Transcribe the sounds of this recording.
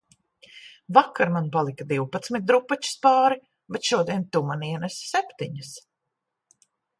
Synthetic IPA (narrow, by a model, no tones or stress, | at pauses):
vakaɾmanpalˠikad̪iwpat̪smit̪̚d̪ɾupat͡ʃi̥spaːɾi | bɛt̪ʃuɔd̪iɛnt̪umaniɛnɛssɛpt̪iɲas